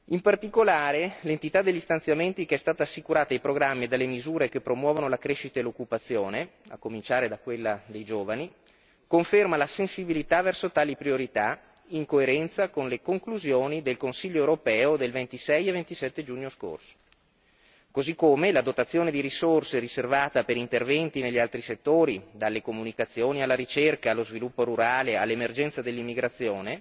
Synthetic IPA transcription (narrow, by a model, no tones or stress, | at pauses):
impart̪ikolaːɾelent̪it̪ad̪ːeʎːist̪ant̪sjament̪ikeɛst̪aːt̪aːsːikuɾaːt̪aajpɾoɡɾamːied̪alːemizuːɾekepɾomwɔːvonolakɾeʃːit̪aelokːupat̪sːjoːnea̰kːomint͡ʃaːɾed̪akwelːad̪ejd͡ʒoːvani | koɱfermalasensibilit̪avɛrsot̪aːlipɾioɾit̪a | iŋkoeɾɛnt̪sakonlekoŋkluzjoːnid̪elkonsiʎːoewɾopɛːod̪elvent̪isɛjevent̪isɛt̪ːed͡ʒuːɲːosko̰rso̥ | kozikːomelad̪ot̪at̪sːjoːned̪iɾisorseɾiservaːt̪apeɾint̪ervɛnt̪ineʎːialt̪ɾiset̪ːoːɾid̪alːekomunikat̪sːjoːnialːaɾit͡ʃerkaːlːozvilupːoɾuɾaːlea̰lːemerd͡ʒɛnt̪sad̪elːimːiɡɾat̪sːjoːne